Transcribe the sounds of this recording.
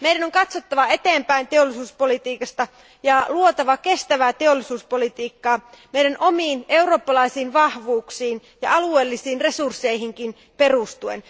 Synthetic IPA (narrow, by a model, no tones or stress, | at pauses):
mejdænoŋkɑt̪sot̪ːɑʋɑe̞t̪eːmpæint̪e̞olːisuːspo̞lit̪iːkɑst̪ɑ | jɑluot̪ɑʋɑke̞st̪æʋæːt̪e̞olːisuːspolit̪iːkːɑːmeidænʔomiːne̞uro̞ːpːɑlɑisiːnʋɑhʋuːksiːn | jɑ̰ɑlue̞ːlːisiːnre̞sursːejɦiŋkin | pe̞rust̪uḛn